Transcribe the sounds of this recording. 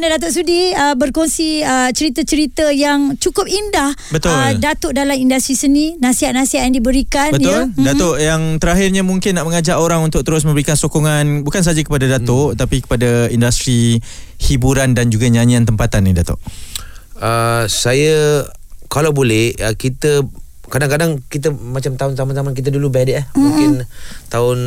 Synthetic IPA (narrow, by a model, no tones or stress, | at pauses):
nadat̪̬ʊʔs̬udiəbərkoŋsiət͡ʃəɾit̪ət͡ʃəɾit̪əjaŋt͡ʃukʊp̚indahbət̪ʊldat̪ʊʔdalamindast̪ɾisənĩnãsiɦat̪̚nasiɦat̪̚jaŋdibəɾikanbəʊldat̪oʔjaŋt̪əɾaɦɪrɲamũŋkɪnːaʔməŋad͡ʒaʔoɾaŋunt̪ʊk̚t̪əɾʊs̬mə̃mbəɾikansokɔŋanbukans̬ad͡ʒakə̥padadat̪ɔʔt̪apikə̥padaindust̪ɾihibuɾandand͡ʒuɡaɲaɲiant̪əmpat̪anːidat̪ʊ̰ʔ | əsajə | kalawbolɛhəkit̪ə | kadaŋkadaŋkit̪̬əmat͡ʃamt̪aʊnt̪amant̪amank̬it̪̬ədulubɛdɪʔahmũkɪnt̪aʊn